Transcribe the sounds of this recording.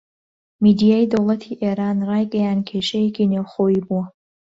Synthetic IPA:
mid̪ijaːjd̪owlˠɐt̪ʰiʔeːɾaːnrɑːjɡɛjaːnkʰeːʃejekiːnewχoːjiːbuwɐ

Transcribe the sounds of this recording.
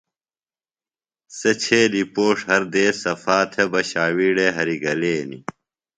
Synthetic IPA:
sɐt͡ɕʰeːlipoːʂhɐɾd̪eːsɐfaːt̪ʰebɐɕaːwiːɖeɦɐɾiɡɐleːnḭ

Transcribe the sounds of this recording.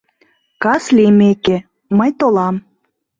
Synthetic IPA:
kɑslʲemeke | məjt̪olɑm

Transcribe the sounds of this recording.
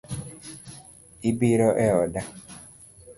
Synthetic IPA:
ibiɾɔʔɛɔda

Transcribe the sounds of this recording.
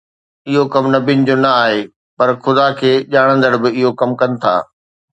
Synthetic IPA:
ɪɦokɐmnɐbʱinɪ̆d͡ʑoːnɐaːɦeː | pɐɾxʊd̪akʰeːʄaːɽ̃ə̃nd̪əɽbɪɪɦokɐmkɐnɪ̆t̪ʰa̰ː

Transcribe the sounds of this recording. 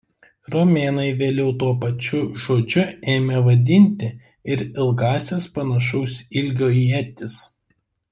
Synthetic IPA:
ɾɔmʲeːnɐɪʋʲeːlʲɛʊt̪uɔpɐt͡ʃʲʊʒoːd͡ʒʲʊeːmʲɛʋɐd̪ʲɪnʲt̪ʲɪ | ɪɾɪlˠɡɑːsʲespɐnɐʃɐʊsʲɪlʲɡʲoːɛt̪ʲɪs

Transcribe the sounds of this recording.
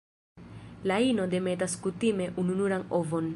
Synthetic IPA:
laino̞de̞me̞taskutime̞ʔununuɾanovo̞n

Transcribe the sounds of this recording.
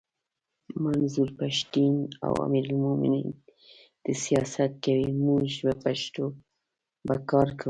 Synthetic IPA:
manzuɾpaʃt̪ina̰wa̰miɾalmomɪ̰nin | d̪̥əsijɑsat̪̚kawimuʒbapaʃt̪o | bakɑɾkʰa

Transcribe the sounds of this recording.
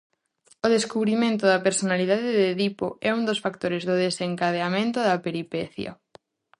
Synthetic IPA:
oðeskuβɾimẽnt̪ʊðɐpeɾsonaliðaðɪðeðipo̰ɛund̪osfak̚t̪oɾezðʊðeseŋkaðeamẽnt̪ʊðɐpeɾipɛθjɐ̰

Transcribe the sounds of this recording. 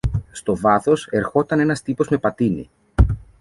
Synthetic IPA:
st̪o̞vɐθo̞se̞ɾxo̞t̪ɐne̞nɐst̪ipo̞zme̞pɐt̪inḭ

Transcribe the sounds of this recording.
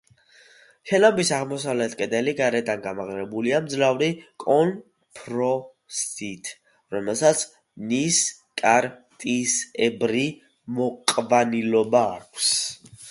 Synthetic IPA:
ʃɛnabisaʁmɔsavlɛt̪ʰkʼɛd̪ɛliɡaɾɛd̪anɡamaʁɾɛbuliamd̪zlavɾikʼɔn | pʰɾɔ | sit̪ʰ | ɾɔmɛlˠsat̪sʰ | nis | kʼaɾt̪ʼisɛbɾi | mɔqʼvanilɔbaːkʷʰs

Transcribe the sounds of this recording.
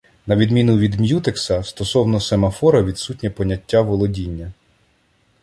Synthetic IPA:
nɐʋʲid̪mʲinʊʋʲid̪mʲjut̪eksɐst̪ɔsɔwnɔsemɐfɔɾɐʋʲid̪sut̚ʲnʲɐpɔnʲɐtʲːaʋɔlˠɔdʲinʲːɐ

